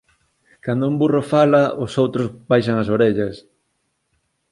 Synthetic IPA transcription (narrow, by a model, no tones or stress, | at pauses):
kand̪ʊumburofalɐʔosowt̪ɾozbajʃɐŋɐs̬oɾeʎɐs